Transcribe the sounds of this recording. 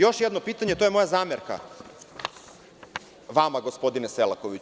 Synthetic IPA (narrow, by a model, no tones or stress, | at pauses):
jo̞ʃjɛd̪no̞piːt̪aɲet̪ojemo̞jazaːmeɾka̰ | ʋamaɡo̞spo̞d̪ineselakoʋi